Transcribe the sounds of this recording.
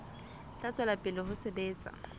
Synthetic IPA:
t͡ɬʼat͡sʼwalapʼɪlɔɦʊsebeːt͡sʼa̰

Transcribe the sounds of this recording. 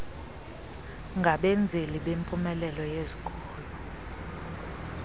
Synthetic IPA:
ŋɡʱaɓend͡zʱeliɓempʼumɛlɛlɔjezikʼɔːlu

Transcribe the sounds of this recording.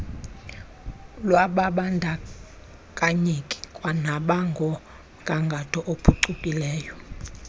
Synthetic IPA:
lwaɓaɓandʱa | kʼaɲekʼi̥kʼwanaɓaŋɡʱɔ | ɡʱaŋɡʱatʰʼɔʔopʰuǀukʼilɛːjɔ

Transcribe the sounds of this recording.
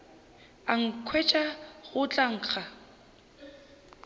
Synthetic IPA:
aŋ̩kʰwɛt͡ʃʼaɣʊt͡ɬʼaŋ̩ːk͡xʰa

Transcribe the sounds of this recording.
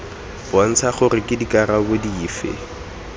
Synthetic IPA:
b̥ɔn̩t͡sʰaχʊɾɪkʼɪdikʼarabodiiːfɪ̰

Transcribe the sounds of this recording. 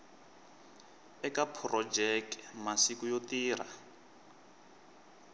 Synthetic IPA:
ɛkapʰrɔd͡ʒɛkmasikujotiːra̰

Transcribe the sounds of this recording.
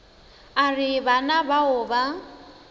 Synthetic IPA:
arɪβanabaʊba

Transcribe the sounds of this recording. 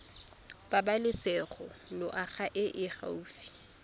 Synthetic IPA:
b̥abalɪsɛχɔlʊʔaɣaʔɪʔɪχa̰uːfi̥

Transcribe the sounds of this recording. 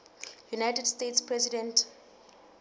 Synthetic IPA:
junajtɛdstetspʰɹɛsidɛ̃nt

